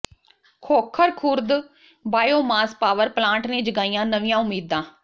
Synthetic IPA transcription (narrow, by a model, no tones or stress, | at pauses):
kʰoːkʰːəɾkʰʊɾd̪ | baːjoːmaːspaːʋəɾplãːɳʈneːd͡ʒəɡaːijãːnəʋɪjãːʊmiːd̪ːãː